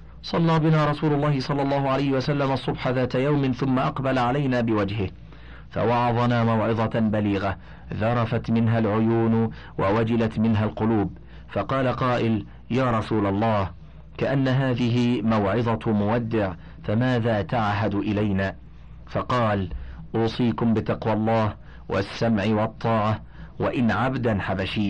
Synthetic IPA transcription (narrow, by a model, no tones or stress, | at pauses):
sˤɑlːɑːbɪnaːɾˤɑsuːlʊlˤːɑːhɪsˤɑlːɑlˤːɑːhʊʕalajhɪwʔasalːamʔɑsˤːʊbħaðaːt̪ajawmɪnθʊmːaʔɑqbalaʕalajnaːbɪwad͡ʒhɪh | fa̰wɑʕɑðˤɑnaːmawʕɪðˤɑbaliːɣa | ðɑɾˤɑfat̪mɪnɦalʕʊjuːn | wʔawad͡ʒɪlat̪mɪnɦalqʊluːb | fɑqɑːlaqɑːʔɪl | jaːɾˤɑsuːlɑlˤːɑːh | kaʔanːaɦaːðɪɦɪmawʕɪðˤɑmʊwad̪ːɪʕ | famaːðaːt̪aʕɦad̪ʔɪlajnaː | fɑqɑːlʔuːsˤiːkʊmbɪt̪ɑqwɑlˤːɑːh | wʔa̰sːamʕɪwɑt̪ˤːɑːʕɑ | wa̰ʔɪnʕabd̪anħabaʃiː